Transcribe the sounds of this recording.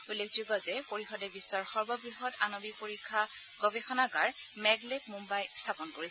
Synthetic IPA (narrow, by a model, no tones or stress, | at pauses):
ulekzuɡɔzɛpoɹixɔdɛbisːɔɹxɔɹbɔɡɹiɦɔtanobipoɹikʰːa | ɡ̥ɔbexɔnaɡaɹmɛɡlepmumbajstʰapɔnkoɹisɛ